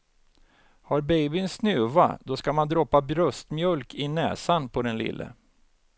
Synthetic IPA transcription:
haɾbɛjbɪnsnʉ̟ːva̰d̪ɔskamand̪ɾɔpːabɾɵst̪mjœlkɪnɛ̰ːsanpʰɔd̪ɛnlɪ̰lːə̰

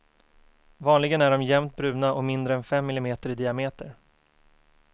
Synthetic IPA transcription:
vɑːnlɪɡənæɖɔmjɛmt̪̚bɾʉ̟ːnaʔɔmɪnd̪ɾəɛnfɛmːɪlɪmeːt̪əɾɪd̪ɪameːt̪əɾ

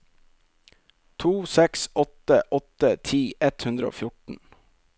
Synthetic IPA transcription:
t̪ʰuːsɛksɔt̪əʔɔt̪ət̪ʰiːʔɛt̪hʉnd̪ɾəo̰ːfjʊʈn̩

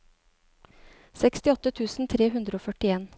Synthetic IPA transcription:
sɛkst̪ɪɔt̪ət̪ʰʉːsn̩t̪ʰɾeːɦʉnd̪ɾəoːfœʈɪeːn

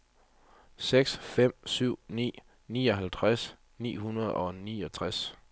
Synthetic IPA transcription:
seɡ̥sfem̰syʊ̰nḭː | nḭːɒ̽ɦælt͡sʰʁas | nḭːɦunɐð̞ˠɒ̽niːɒ̽t͡sʰʁas

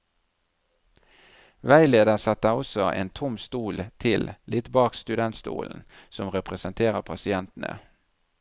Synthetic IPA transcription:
ʋæɪleːd̪əʁsɑt̪əɔsɔʔḛːnt̪ʰʊmst̪uːlt̪ʰɪllʔɪt̪bɑːkst̪ʉd̪ɛnt̪st̪ṵːln̩sɔmʁɛpʁəsənt̪ʰeːʁəʁpʰɑsɪɛnt̪n̩ə̰

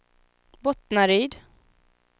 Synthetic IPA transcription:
bɔt̪naɾiːd̪

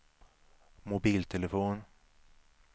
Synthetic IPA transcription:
mʊbiːlt̪ʰɛlɛfoːn

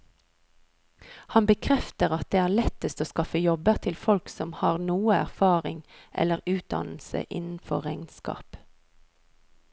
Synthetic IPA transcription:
hɑnbəkʰʁɛft̪əʁɑt̪̚d̪eːæːʁlɛt̪əst̪oːskɑfəjɔbəʁt̪ʰɪlfɔlksɔmhɑːʁnuːəæʁfɑːʁɪŋʔɛ̰ləʁʉːt̪̚d̪ɑ̰nl̩sə̰ʔɪ̰nn̩fɔʁɛŋnskɑ̰ːp

